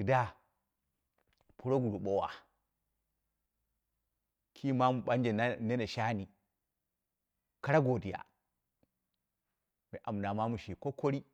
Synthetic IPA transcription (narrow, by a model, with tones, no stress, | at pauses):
i˨da˦ | pu˦ɾo˦ɡu˨ɾu˨ɓo˦wa̰˨ | kʰi˦ma˦mu˨ɓa˦nd͡ʒe˨˦ne˦ne˨ʃa˦ni˨ | ka˦ɾa˦ɡo˨di˨ja̰˨ | me˨ʔa˨mna˨ma˦mu˨ʃi˨ko˦ko˦ɾi˦